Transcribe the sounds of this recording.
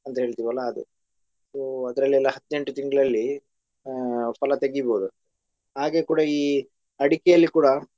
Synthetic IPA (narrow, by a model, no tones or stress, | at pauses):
ɐnt̪ɐɦe̞ːɭt̪iːʋɐlːaːd̪ṵ | soːɐd̪ɐɾɐlːiɛlːaɦɐt̪ːne̞ɳʈut̪iŋɡɐɭɐlːi | pɐlɐt̪e̞ɡibo̞ːd̪u | ɦaːɡe̞ːkuːɽɐiː | ɐɽikɛjɐlːikuːɽɐ